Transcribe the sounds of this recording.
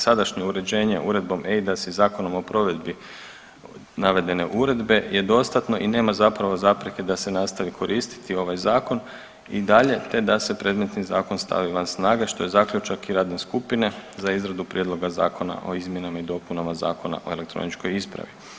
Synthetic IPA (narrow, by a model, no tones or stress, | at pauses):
sad̪aʃɲe̞uɾe̞d͡ʑe̞ːɲe̞̰ʔuɾe̞d̪̚bo̞meid̪asizaːko̞no̞mo̞pɾo̞ʋe̞d̪bi | naʋe̞d̪e̞ne̞ʔuɾe̞d̪be̞je̞d̪o̞st̪at̪no̞ʔine̞ːmazapɾaʋo̞zapɾeke̞d̪ase̞naːst̪aʋikʰo̞ɾiːst̪i̥t̪io̞ʋajzaːko̞n | id̪aʎe̞t̪e̞d̪ase̞pɾe̞d̪me̞t̪niza̰ːko̞nst̪a̰ʋiʋansnaːɡeʃt̪o̞je̞zakʎʲut͡ʃakiɾaːd̪ne̞skupine̞zaizɾad̪upɾje̞d̪lˠo̞ɡaza̰ːko̞na̰ʔo̞izmje̞namaid̪o̞punamaza̰ːko̞na̰ʔo̞e̞lek̚t̪ɾo̰nit͡ʃko̞jispɾa̰ʋi